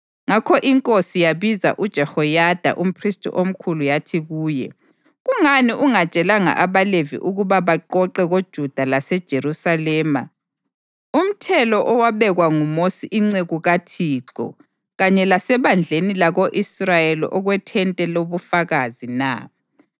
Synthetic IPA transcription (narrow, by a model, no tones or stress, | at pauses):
ŋakʰɔʔiŋkʼosijaβiza̰ʔud̥ʒ̥ʱɛhɔjad̥ʱa̰ʔum̩pʰristʼʰṵʔom̩kʰulujatʰiɣuːjɛ | ɣuŋaniʔuŋat͡ʃʼɛlaŋa̰ʔaβalevḭʔuɣuβaβaǃɔǃɛɣod̥ʒ̥ʱud̥ʱalasɛd̥ʒ̥ʱeɾusalɛːma | um̩tʰɛlɔʔɔwaβɛɣwaŋumosiʔiŋ͡ǀeɣuɣatʰiːǁɔ̰ | ɣaɲɛlasɛβand͡ɮʱenilaɣoʔisrajeliʔɔɣwɛtʰɛntʼɛloβufaɣazina̰